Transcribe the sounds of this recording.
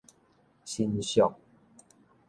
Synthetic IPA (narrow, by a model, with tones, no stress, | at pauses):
ɕi˦nɕjɔ˥˨ŋ